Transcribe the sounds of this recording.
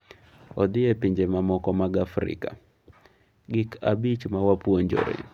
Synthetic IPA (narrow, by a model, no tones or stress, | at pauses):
ɔd̪ɪɛpɪɲd͡ʒemamɔkɔmaɡafɾɪ̰ka | ɡɪkʰabit͡ʃmawapwoɲd͡ʒo̰ɾḛ